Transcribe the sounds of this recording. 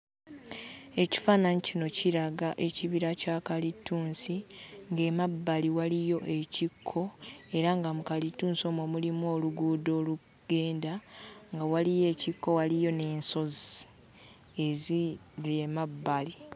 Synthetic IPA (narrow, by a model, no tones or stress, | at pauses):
e̞ci̥faːnanicino̞ciɾaɡaʔe̞ciβiɾacaːkalitːuːnsiŋɡe̞mabːaliwalijo̞ʔe̞cikʰːo̞e̞ɾaŋɡamukalitːuːnso̞ːmomulimuo̞ːluɡuːdo̞ːlu | ɡ̥e̞ːndaŋɡawalije̞ːcikːo̞walijo̞ne̞ːnso̞zi | ezi | lemabːali